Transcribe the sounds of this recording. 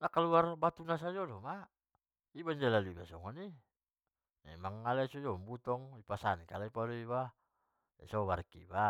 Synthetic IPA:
nakaluarbat̪unas̬ad͡ʒɔlɔma | iband͡ʒalaluibasɔŋɔni | ɛ̰maŋːalaisɔd͡ʒɔmbut̪ɔŋipasanikalaipalɔiβa | ɛ̰sɔβarkḭba

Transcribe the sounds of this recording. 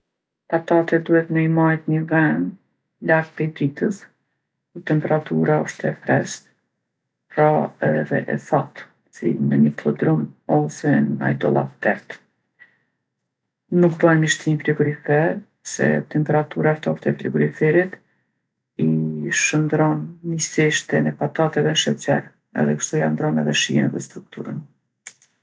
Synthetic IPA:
tat̪at̪ɛd̪uhɛt̪nəimajt̪ɲəvɛn | laɡ̚pɛd̪it̪əs | kut̪ɛmpɛɾat̪uɾaɔʃt̪ɛfɾɛst̪ | pɾaɛðɛ̰ʔɛ̰θat̪ | sḭnəɲəklˠɔd̪ɾumɔsɛna̰jd̪ɔ̰lˠa̰p̚t̪ɛɾt̪ | nukbəɛnəʃt̪infɾiɡuɾifɛɾ | sɛ̰t̪ɛmpɛɾat̪uɾaft̪ɔft̪ɛfɾiɡɔɾifɛɾit̪ | iʃənd̪ɾɔnːisiʃt̪ɛnɛpat̪at̪ɛðɛnʃɛt͡sɛɾ | ɛ̰ðɛkə̥ʃt̪uiand̪ɾɔnɛðɛʃijɛnɛðɛst̪ɾuk̚t̪uɾən

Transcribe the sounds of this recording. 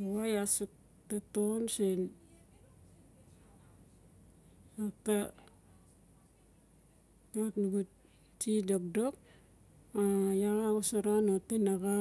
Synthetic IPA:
owajasuk̚ | tatonsen | ata | atnuɡu | t͡ʃidok̚dok̚ | ajalaɡosaɾanotenaɡa

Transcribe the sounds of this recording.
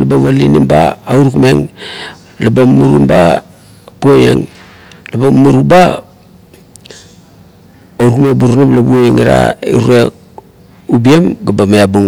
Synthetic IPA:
labaβalinimba̰ːuɾkumeŋ | labamuɾumba | buojḛŋ | labamuɾuba | auɾkmebuɾnablabuojeŋiɾa̰ḭɾe | ubiemɡabamajabuŋ

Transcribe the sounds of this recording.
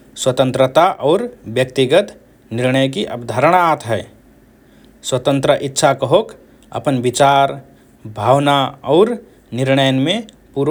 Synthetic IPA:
swət̪ə̃nt̪ɾət̪aʔɔːɾbjək̚t̪iɡət̪ | nɪɾnəjkiʔəpd̪ʱaɾəɽ̃aːt̪ɦɛː | swət̪ə̃nt̪ɾəʔitːʃʰakəɦok | ə̰pənbit͡ʃaːɾ | bʱaːwnaɔːɾ | nɪɾnəjənmẽ | puːɾ

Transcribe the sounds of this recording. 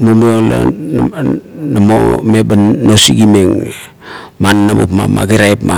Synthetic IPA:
momola̰ | namo̰mebanːosiɡimeŋ | manːabo̰pma̰ma̰ɡiɾajpma

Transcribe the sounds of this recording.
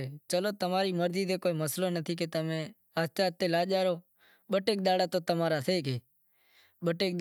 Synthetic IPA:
t͡ʃəloːt̪əmaːɾiːməɾziːd̪eːkoːiːməsloːnət̪ʰiːk̬eːt̪əmẽː | ast͡ʃaːt̪ːeːlaːʄaːɾoː | ɓəʈeːk̚ɗ̪aːɽaːt̪oːt̪əmaːɾaːseːkeː | ɓəʈeːk̪̚

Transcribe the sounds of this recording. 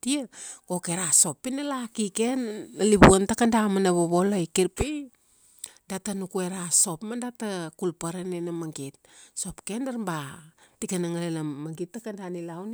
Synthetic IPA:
tiako̞ke̞ɾaso̞pːinalakike̞naliβuantakandamanaβoβo̞lojkiɾpi | datanukueɾaso̞pmandatakulpaɾanenamaŋɡit̚so̞pke̞ndaɾmbatikanaŋalenamaŋɡitːakandanilawni

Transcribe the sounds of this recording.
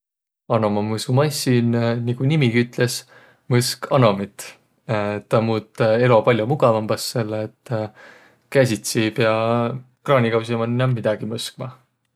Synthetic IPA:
ɑno̞mɑmɤsumɑjsinniɡ̥unimiɡiyt̪ˑle̞s | mɤskɑno̞mit̪ˑ | t̪ɑmuːt̪ːˑe̞lo̞pɑlʲjomuɡ̥ɑvɑmb̥ɑsːe̞lːeːt̪ːˑ | kæs̬ʲit̪sibjɑ | krɑːnʲikɑws̬imɑninɑmːid̪̥ɑɡ̥imɤsk̚mɑ

